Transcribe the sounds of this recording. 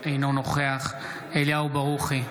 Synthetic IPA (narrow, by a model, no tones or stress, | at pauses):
ejnonoχeaχ | eljaubaʁuχi